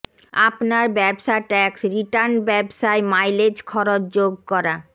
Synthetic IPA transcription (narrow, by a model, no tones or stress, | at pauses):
apnaɾbɛbʃaʈɛksɾiʈaɾnɖbɛbʃaemajled͡ʑkʰɔɾot͡ɕd͡ʑoɡ̚kɔɾa